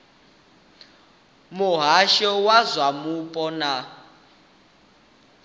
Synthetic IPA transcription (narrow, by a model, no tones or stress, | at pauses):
muɦaʃɔwazʷwamupʼɔna